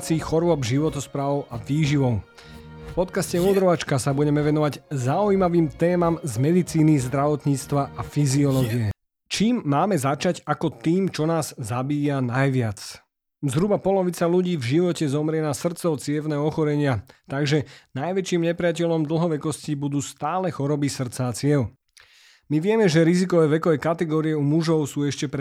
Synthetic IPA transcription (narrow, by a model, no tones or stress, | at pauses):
t͡siːxɔɾʊɔbʒiʋɔt̪ɔspɾaːʋɔʊʔaʋiːʒiʋɔʊ | fpɔt̪kascɛuːd̪ɾɔʋat͡ʃkasabuɟɛmɛʋɛnɔʋaɟzaujmaʋiːmt̪ɛːmamzmɛd̪it͡siːnizd̪ɾaʋɔt̪ɲiːt͡st̪ʋaʔafiziɔlɔɡiɛ | t͡ʃiːmːaːmɛzat͡ʃaɟakɔt̪iːmt͡ʃɔnaːz̥zabiːjanajʋɪat͡s | zɦɾubapɔlɔʋit͡saluɟiːvʒiʋɔcɛzɔmɾɪɛnasr̩t͡sɔʊt͡sɪɛʋnɛɔxɔɾɛɲɪat̪aɡʒɛnajʋɛt͡ʃiːmɲɛpɾɪacɛʎɔmd̪l̩ɦɔʋɛkɔscibud̪uːst̪aːlɛxɔɾɔbisr̩tt͡saːt͡sɪɛʊ | miʋɪɛmɛʒɛɾizikɔʋɛːʋɛkɔʋɛkat̪ɛɡɔːɾiɛumuʒɔʊsuːɛʃcɛpɾ